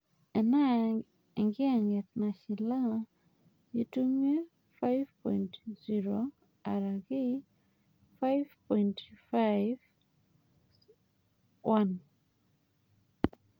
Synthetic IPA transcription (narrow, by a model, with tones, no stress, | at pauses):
ɛ˨na˦˨ | ŋɡɪ˦a˨ŋɛ˨t̪na˨ʃɪ˨la˦ | ji˦tu˦ŋe˦ | fa˦jvpɔjntzi˦ɾo | a˨ɾa˨ɡɪ˦ | fa˦jvpɔ˨jntfajv | wa˦n